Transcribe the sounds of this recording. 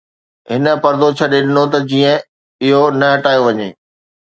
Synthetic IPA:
ɦɪnə̆pɐɾd̪ot͡ɕʰɐɗeɗɪnot̪ɐd͡ʑiːə̃ | ɪɦonɐɦɐʈaːjoʋɐɲḛː

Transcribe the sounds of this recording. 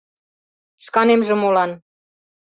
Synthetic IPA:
ʃkɑnemʒĕmolɑn

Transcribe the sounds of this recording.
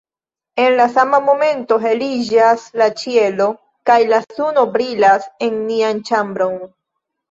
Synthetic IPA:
e̞nlasamamo̞me̞nto̞ɦe̞lid͡ʒaslat͡ʃie̞lo̞ | kajlasuno̞bɾilase̞nniant͡ʃambɾo̞n

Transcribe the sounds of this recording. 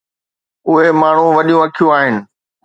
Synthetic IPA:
ʊɦemaːɳ̤ũʋɐɗijũɐkʰijũaːɦɪnɪ̆

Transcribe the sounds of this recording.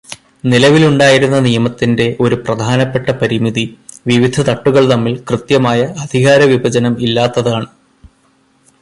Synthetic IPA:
nilɐʋiluɳɖaːjiɾunːɐnijɐmɐt̪ːinde̞ʔo̞ɾuprɐd̪ʱaːnɐpːe̞ʈːɐpɐɾimiðiʋiʋid̪ʱɐt̪ɐʈːuɣɐɭt̪ɐmːilkrɨt̪jɐmaːjɐɐd̪ʱiɣaːɾɐʋibʱɐd͡ʑɐnɐmilːaːt̪ːɐðaːɳɨ

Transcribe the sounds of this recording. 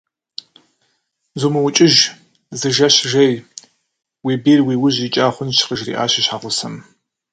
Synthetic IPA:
zumɨwʊt͡ʃʼɪʒ | zɨʒɐɕʒɐj | wiːbeːrwiːwʊʑit͡ʃʼaːχʷʊnʃqəʒrḭːʔa̰ːɕɪɕħaːʁʷʊsɐm

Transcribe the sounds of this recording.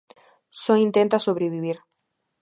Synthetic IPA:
soint̪ẽnt̪asoβ̞ɾeβiβ̞iɾ

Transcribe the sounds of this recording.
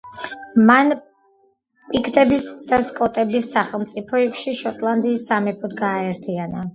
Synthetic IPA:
man | pʼikʰt̪ʼɛbisd̪̥askʼɔt̪ʼɛbisːaχɛlˠmt̪sʼipʰɔikʃiʃɔt̪ʼlˠand̪iːsːamɛpʰɔd̪ɡaːɛɾt̪ʰiana

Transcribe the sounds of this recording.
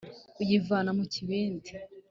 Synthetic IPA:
ujivaːnamuciβeːndi

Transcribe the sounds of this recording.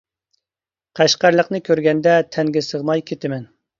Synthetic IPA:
qʰæʃqæɾlˠəqnɨkʲʰøɾɡʲɛnd̪ɛt̪ʰɛŋɡʲɪsəʁnɑjkʲʰet̪ɪmɛn

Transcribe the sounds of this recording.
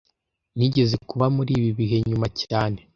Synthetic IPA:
niɟe̞ze̞kuβamuɾiːβiβiɦe̞ɲumacaːne̞

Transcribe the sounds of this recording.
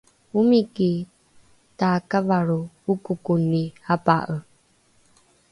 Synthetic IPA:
umiki | takavaɾu | ukukunihapa̰ʔə

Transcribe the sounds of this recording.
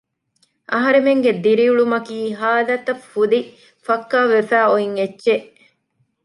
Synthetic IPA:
ʔɐɦɐɾemeŋɡed̪iɾiuɭumɐkiːɦaːd̪ɐt̪ɐffud̪i | fɐkːaːʋefæːoiŋetːʃeʔ

